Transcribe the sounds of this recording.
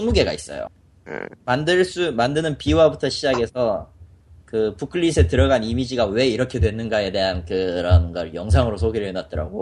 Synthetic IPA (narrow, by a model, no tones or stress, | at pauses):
ɯŋmuɡe̞ɡa̰is͈ʌ̰jo̰ | mandɯɭs͈umandɯnɯnpiwabutʰʌɕʰid͡ʑaɡe̞sʰʌ | kɯpukʰɯʎːisʰe̞tɯɾʌɡanimid͡ʑiɡawe̞iɾʌkʰe̞dwe̞nɯnɡaje̞de̞ɦankɯɾʌnɡʌɭjʌŋsʰaŋɯɾosʰoɡeɾɯɭnat̚t͈ʌɾa̰ɡo